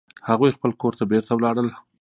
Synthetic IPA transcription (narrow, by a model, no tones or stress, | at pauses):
haɣujxpəlkoɾt̪abeɾt̪awlɑɽəl